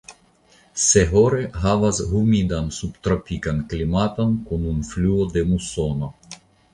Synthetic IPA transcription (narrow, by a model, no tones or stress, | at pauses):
seɦoɾɛɦavazɦumid̪ansupt̪ɾapikanklʲimat̪ankunumflʲuod̪ɛmusɔna